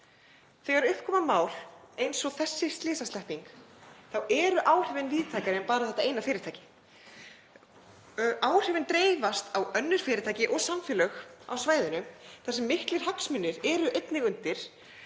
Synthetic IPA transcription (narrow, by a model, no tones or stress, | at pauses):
θɛɣaɾʏhpkʰɔːmamaːwl̥ejnsɔɣθɛsːɪst̪lɪːsast̪ɛhpiŋkθawɛɾʏʔaːwr̥ɛːvɪnviːðt̪ʰaːjkaɾɪpaːɾaθɛht̪aeːjnafɪːɾɪɾt̪ʰajcɪ̥ | ʔaːwr̥ɪvɪnt̪ɾeːjvast̪ʰawœnːʏɾ̥fɪːɾɪɾt̪aːjcɪʔɔɣsamfɪlœxa̰wsvaːjðʏnʏθɛsɛmːɪhklɪɾ̥ɦaksmʏnːɪɾɛɾʏʔejt̪nɪɣʏnt̪ɪɾ̥